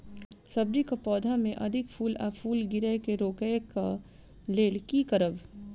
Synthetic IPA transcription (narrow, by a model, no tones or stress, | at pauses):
sɐbɾikapɔːd̪ʱamẽʔɐd̪ʱɪkpʰuːlaːpʰuːlɡɪɾəkeɾoːkəjka | leːlkikəɾəʋ